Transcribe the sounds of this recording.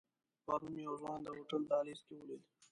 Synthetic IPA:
paɾunjawzwɑːnd̪əɦoːʈəld̪ɑːleskewoled̪

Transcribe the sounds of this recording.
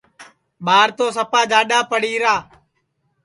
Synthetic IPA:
ɓaːɾt̪oːsəpaːd͡ʒaːɗaːpəɽiːɾaː

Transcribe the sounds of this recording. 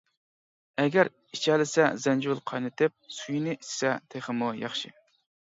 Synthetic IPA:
ɛɡʲɛɾ | it͡ʃʰɛlɪsɛ̰zɛnd͡ʒulˠqʰɑjnɨt̪ɪp̚sujnɪʔissɛt̪ʰeχəmujɑ̰χʃɪ

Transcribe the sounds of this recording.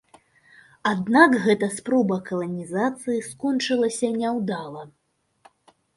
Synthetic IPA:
ad̪nakɣɛt̪ɐspɾɔbɐkɐlˠɐnʲizat̪sɨjiskɔnt͡ʂɨlˠɐsʲɐnʲɛwd̪alˠɐ

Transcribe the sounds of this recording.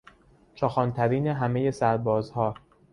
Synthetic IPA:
t͡ʃʰɒːxɒːnt̪ʰæɾiːneɦæme̞je̞sæɾbɒːzhɒː

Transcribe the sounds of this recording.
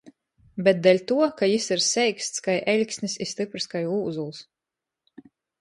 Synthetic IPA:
bɛt̪̚d̪ɛlʲt̪uɔkajisiɾsɛjkst̪skajʔɛlʲkʲsnʲisist̪ɨpɾiskajuːzulˠs

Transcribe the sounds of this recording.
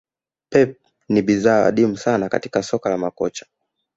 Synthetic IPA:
pɛp̚ | niɓizaːwa̰ɗim̩sanaka̰ti̥kasɔkalamakɔt͡ʃḁ

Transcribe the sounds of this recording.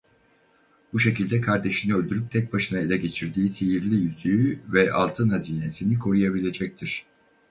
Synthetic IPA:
buʃe̞cilʲd̪ɛkʰaɾd̪e̞ʃiniølʲd̪yɾyp̚t̪ʰɛc̚baʃɯnae̞lʲɛɟe̞t͡ʃʰiɾd̪iːsijiɾlʲijyzyjyvɛʔa̰lˠt̪ʰɯnhaziːne̞sinikʰo̞ɾujabilʲe̞d͡ʒɛc̚t̪ʰiɾ̥

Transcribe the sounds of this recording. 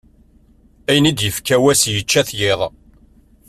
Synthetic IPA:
æjənid̪jəfkæwæsjət͡ʃːæθjɪðˤ

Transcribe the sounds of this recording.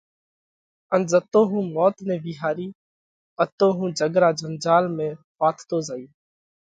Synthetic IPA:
ənzət̪oːɦũːmɔːt̪nẽːbiːɦaːɾiː | pət̪ːoːɦũːd͡ʒəɡɾaːd͡ʒənd͡ʒaːlmẽːpaːt̪ʰt̪oːzaːiː

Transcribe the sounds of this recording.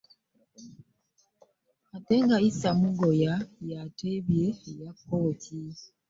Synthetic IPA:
atɛŋɡaisamuɡɔjajatebjejap̚ʰɔtʰi

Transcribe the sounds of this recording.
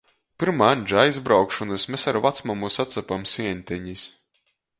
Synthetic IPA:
pɨɾmaːanʲd͡ʒaajzbɾawkʃɔnɨsmʲesaɾvat̪smamusat̪sapamsiɛɲʲt̪ʲɛɲis

